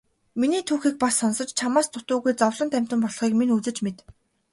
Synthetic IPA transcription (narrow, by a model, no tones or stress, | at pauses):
miniːt̪ʰuːxiːk̚pasːɔnsɞ̆t͡ɕt͡ɕʰamaːst̪ʰʊt̪ʊːɣujt͡sɔwɮɞ̆nt̪ʰæm̥ʲt̪ɘ̆mpɔɮχiːkminut͡sɘ̆t͡ɕmet̪